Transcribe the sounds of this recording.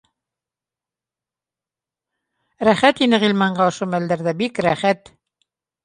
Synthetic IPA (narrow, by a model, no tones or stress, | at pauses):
ɾæχæt̪inɘʁilmɑɴɢɑŏʃomæld̪æɾðæbikɾæχæt̪